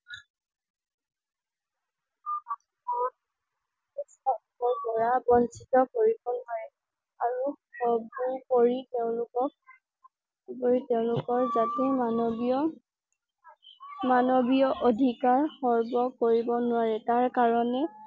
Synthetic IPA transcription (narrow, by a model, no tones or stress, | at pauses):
a | ɔ | istakɔɹpɔɹabɔnsitɔkoɹibɔnʊaɹɛ | aɹuxɔɹbupoɹiteʊ̃lʊkɔk̚ | pɔɹiteʊ̃lʊkɔɹzatɛmnbɔ | manobijɔʔodʱikaɹxɔɹbɔkoɹibɔnʊwaɹɛtaɹkaɹɔnɛ